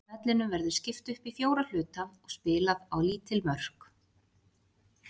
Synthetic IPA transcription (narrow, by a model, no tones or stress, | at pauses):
mɛt̪lɪnʏmvɛɾðʏ̥scɪft̪ʏhpifjoːwɾal̥ʏːt̪amɔɣspɪːlaðawliːt̪ɪlmœr̥k